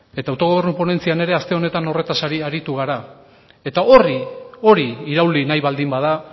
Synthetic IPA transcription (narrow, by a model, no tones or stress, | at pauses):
e̞t̪awt̪o̞ɣo̞β̞e̞ɾnupo̞ne̞nt͡siane̞ɾe̞ast̪e̞o̞ne̞t̪ano̞re̞t̪asaɾiaɾit̪uɣ̞aɾa | e̞t̪ao̞rio̞ɾiːɾawlinajβald̪imbað̞a